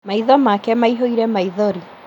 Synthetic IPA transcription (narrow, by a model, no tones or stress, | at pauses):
maiðɔmakɛmaiɦoiɾɛmaiðɔɾi